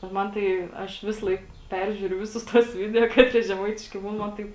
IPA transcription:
ˈmɐn tɐɪ ˈɐʃ ˈʋʲɪsɐlˠɐɪk ˈpʲɛrʲʒʲuːrʲʊ ˈʋʲɪsʊs tuɔs ˈʋʲɪdʲɛoː ˈkɑːtʲrʲiɛ ʒʲɛˈmɐɪtʲɪʃʲkʲɪ ˈbuːn mɐn ˈtɐɪp

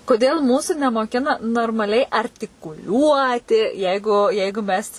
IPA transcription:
koːˈdʲeːlˠ ˈmuːsʊ nʲɛmoːˈkʲɪnɐ noːrmɐˈlʲɛɪ ɐrʲtʲɪkʊˈlʲuɔtʲɪ ˈjɛɪɡʊ ˈjɛɪɡʊ ˈmʲɛs

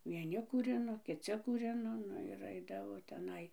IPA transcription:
ʋʲiɛˈnʲɪ kuːˈrʲɪnoː kʲɪˈt͡sʲɪ kuːˈrʲɪnoː ˈnʊ ɪr ˈɐɪdɐʋoː tʲɛˈnɐɪ

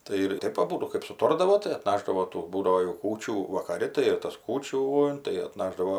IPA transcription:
ˈtɐɪ ɪr ˈtɐɪp ɐˈbuːdʊ kɜp sʊˈtoːrdɐʋoː tɐɪ ɐtˈnɑːʒdɐʋoː ˈtuː ˈbuːdɐʋoː jɛʊ ˈkuːt͡ʃʲuː ʋɐkɐˈrʲɪ tɐɪ ɪr tɐs ˈkuːt͡ʃʲuː tɐɪ ɐtˈnɑːʒdɐʋoː

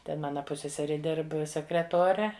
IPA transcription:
ˈtʲɛn ˈmɑːnɐ ˈpʊsʲsʲɛsʲɛrʲɪ ˈdʲɪrp sʲɛkrʲɛˈtoːrʲɛ

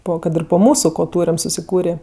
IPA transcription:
ˈpoː kɐt ˈɪr poː ˈmuːsʊ koː ˈtuːrʲɛm sʊsʲɪˈkuːrʲeː

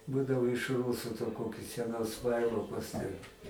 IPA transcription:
ˈbuːdɐʋoː ɪʃ ˈruːsʊ toː ˈkoːkʲʊs sʲɛˈnʊs ˈʋɐɪlˠoːkʊs tʲɛn

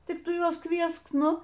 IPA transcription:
ˈtʲɪk ˈtʊ ˈjuɔs ˈkʋʲiɛsk ˈnʊ

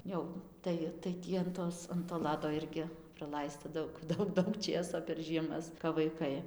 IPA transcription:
ˈjɛʊ ˈtɐɪ tɐɪ ˈtʲiː ɐn ˈtoːs ɐn toː ˈlˠɑːdoː ˈɪrʲɡʲɪ prɐˈlˠɐɪstɐ ˈdɐʊk ˈdɐʊk ˈdɐʊk ˈt͡ʃʲeːsoː pʲɛr ʒʲiɛˈmɐs kɐp ʋɐɪˈkɐɪ

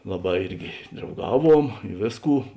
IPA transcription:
ˈlˠɑːˌbɑː ˈɪrʲɡʲɪ drɐʊˈɡɑːˌʋuɔm ɪ ˈʋʲeːsˌkuː

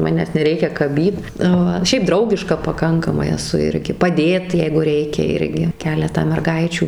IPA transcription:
ˈmɑːnʲæːs nʲɛˈrʲɛɪkʲɛ kɐˈbʲiːt ˈʋɐ ˈʃʲɛɪp ˈdrɐʊɡʲɪʃkɐ pɐˈkɐŋkɐmɐɪ ɛˈsʊ ˈɪrʲɡʲɪ pɐˈdʲeːt ˈjɛɪɡʊ ˈrʲɛɪkʲɛ ˈɪrʲɡʲɪ ˈkʲæːlʲɛtɑː mʲɛrˈɡɐɪt͡ʃʲuː

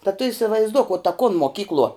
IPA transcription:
tɐ tʊ iːsʲɪʋɐɪzˈduɔk ʊ tɐ kʊn moːˈkʲiːklˠuɔ

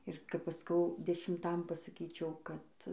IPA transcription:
ɪr kɐp ˈɐʃ ˈskɐʊ dʲɛʃʲɪmˈtɐm pɐsɐˈkʲiːt͡ʃʲɛʊ kɐt

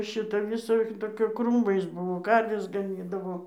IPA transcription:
ˈʃʲɪtɐ ʋʲɪˈsɐ toːˈkʲɛ ˈkruːmɐɪs ˈbʊʋoː ˈkɐrʲʋʲɛs ɡɐˈnʲiːdɐʋoː

